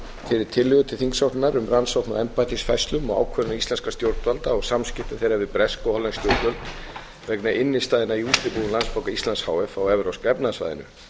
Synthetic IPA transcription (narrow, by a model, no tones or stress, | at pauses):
fɪɾɪɾ̥t̪ʰɪlːʏɣʏt̪ʰɪlθiŋksawht̪naɾʏmransawt̪naɛmpajt̪ɪsfɛst̪lʏmɔɣa̰wkʰœɾʏnaist̪ɛnskast̪jowɾt̪valt̪aɔɣsamscɪft̪ɪmθejɾavɪpɾɛskɔhɔlɛnst̪jowɾt̪œlt̪ | vɛknaʔɪnːɪst̪aːðɪnaiuːt̪ɪp̪iʏmlanspawkaist̪lansha̰ːwɛfawɛvɾawskɛpnasva̰jðɪ̰nʏ̰